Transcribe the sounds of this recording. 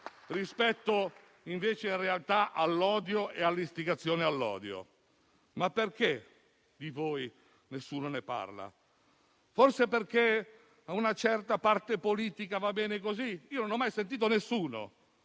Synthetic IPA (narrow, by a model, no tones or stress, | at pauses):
rispɛt̪ːo | iɱveːt͡ʃeinrealt̪aʔalːɔːd̪joealːist̪iɡat̪sːjoːnealːɔ̰ːd̪jo̰ | mapːerke | d̪ivoːj | nesːuːnonepa̰rla̰ | forseperke | aunat͡ʃɛrt̪apart̪epoliːt̪ikavabːɛːnek̬oziiːononɔmːajsent̪̬iːt̪onesːuːno̰